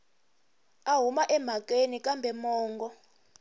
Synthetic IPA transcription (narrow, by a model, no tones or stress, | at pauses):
aɦumaʔɛm̤ak̬ʼenikʼambʱɛmɔːŋɡɔ